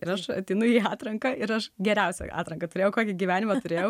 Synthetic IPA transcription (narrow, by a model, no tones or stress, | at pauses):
ɪɾɐʃɐ̰t̪ʲɛɪnʊjiːɑːt̪ɾɐŋkɐʔɪɾɐʃɡʲɛɾʲɛʊsʲɛ̰ʔɑ̰ːt̪ɾɐŋkɐt̪ʊɾʲeːjɛʊkoːkʲɪɡʲiʋʲæːnʲɪmɐt̪ʊɾʲeːjɛʊ